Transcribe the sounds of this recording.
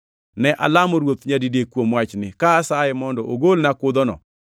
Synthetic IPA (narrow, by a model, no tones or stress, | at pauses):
nɛʔa̰lamɔɾwot̪ɲadidekwomwat͡ʃnɪkaːsajɛmɔndɔʔoɡolnakʊd̪ɔnɔ̰